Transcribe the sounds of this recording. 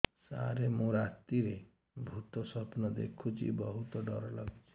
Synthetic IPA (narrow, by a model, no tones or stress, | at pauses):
sa̰ɾemũɾat̪iɾe | bʱut̪ɔsɔpnɔd̪ḛkʰut͡ʃʰḭbɔɦut̪ɔɖɔɾɔlɔɡit͡ʃʰi̥